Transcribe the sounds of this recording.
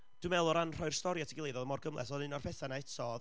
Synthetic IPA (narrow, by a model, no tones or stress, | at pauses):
d̥wɨmɛlˠʊɾanr̥ɔjrstɔɾjatʰiɡɪlˠejðɔðəmɔrɡəmlˠʔɛ̰sɔnɨnɔrpʰɛθanaɛtʰɔð